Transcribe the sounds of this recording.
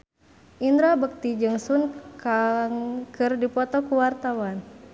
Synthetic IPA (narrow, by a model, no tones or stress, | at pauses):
ʔind̪ɾabək̚t̪id͡ʒɨŋsunkaŋkɨrdipɔt̪ɔkuwart̪awan